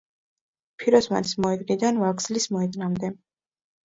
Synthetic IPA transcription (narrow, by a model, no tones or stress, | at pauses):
pʰiɾɔsma̰nismɔɛt̪ʼnid̪anvaɡzlismɔɛt̪ʼnamd̪ɛ